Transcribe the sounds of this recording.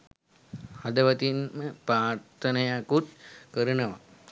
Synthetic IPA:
ɐd̪ɐʋɐt̪inməpɾaːɾt̪ʰənɐjakut̪̚kəɾunɐʋa̰

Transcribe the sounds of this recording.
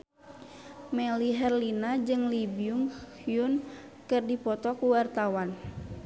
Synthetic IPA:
mɛliɦɛrlinad͡ʒɨŋlibiuŋhjun | kɨrdipɔt̪ɔkuwart̪awan

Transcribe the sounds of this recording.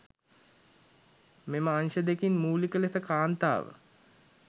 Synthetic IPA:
meməanʃəd̪ekinmuːlikəlesəkaːnt̪a̰ːʋə̰

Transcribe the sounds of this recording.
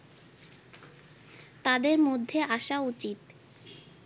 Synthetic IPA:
t̪ad̪eɾmod̪ʱːeʔaʃaut͡ɕit̪

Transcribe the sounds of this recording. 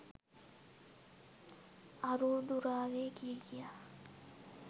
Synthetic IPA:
aɾud̪uɾaːɡeːkieɡijaː

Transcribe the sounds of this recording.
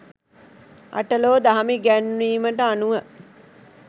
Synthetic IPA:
a̰ʈəloːd̪aɦɐmiɡænwiːməʈəanuʋə

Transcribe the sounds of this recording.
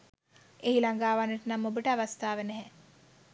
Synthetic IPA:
eɦilaŋɡaːʋanːəʈənamːobəʈəaʋast̪aːʋənɛɦɛ

